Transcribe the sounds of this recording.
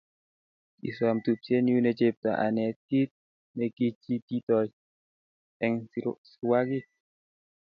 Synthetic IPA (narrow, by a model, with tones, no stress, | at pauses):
ḭ˨swa˨mt̪u˨p̚se˦nju˦net͡ʃip̚ta̰˨ʔa̰˨nɛ˨ti˦t̪̚ | mɛ˨ki˦t͡ʃi˦ti˦t̪ɔj | ɛ˨ŋswaki˦